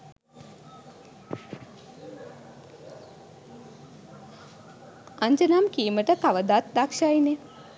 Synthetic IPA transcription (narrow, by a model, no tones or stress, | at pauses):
aɲd͡ʒənamkiːməʈəkaʋəd̪at̪̚d̪akʂajne